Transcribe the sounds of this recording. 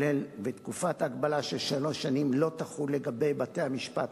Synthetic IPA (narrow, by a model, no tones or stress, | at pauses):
elvetkufataːɡbalaʃeʃalo̞ʃanimlo̞taχule̞ɡabe̞jbate̞jhamiʃpat